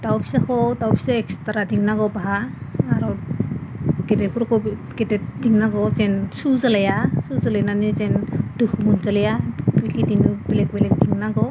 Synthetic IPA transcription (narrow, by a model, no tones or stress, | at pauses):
d̥awpʰisakʰɔdawpʰi̥saɛkstaɾadiŋnaɡɔbaaːɾɔ | ɡ̥etɛpʰuɾkʰɔɡedɛdiŋnaɡɔzɛnsuzalajasuzalajnanezɛndukmunzalajabikidinubelek̚belɛk̚diŋnaɡɔ